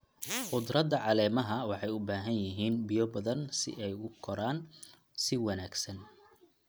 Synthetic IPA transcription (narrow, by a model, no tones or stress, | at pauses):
ħʊd̪rɐd̪ɐʕɑlɛːmɐɦɐwɑħɑjʊbaːɦɐnjɪɦiːnbijɔbɐðɐnsɪ̰ʔɛjʊkʰɔɾaːn | sɪwɐnaːɡsɐn